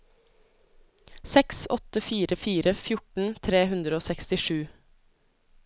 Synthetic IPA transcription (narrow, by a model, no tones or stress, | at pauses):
sɛksɔt̪əfiːɾəfiːɾəfjʊʈɳ̩t̪ʰɾeːhʉnd̪ɾəoːsɛkst̪ɪʃʉː